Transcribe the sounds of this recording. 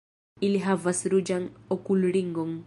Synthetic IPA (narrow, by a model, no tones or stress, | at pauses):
iliɦavasɾud͡ʒaŋɔkulɾiŋɡɔŋ